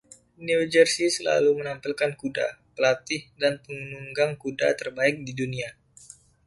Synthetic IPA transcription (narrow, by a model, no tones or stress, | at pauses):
niud͡ʒərsisəla̰lumənampilkankuda̰pəlat̪ɪhdanpəŋənuŋɡaŋkuda̰t̪ərbaɪk̚didunia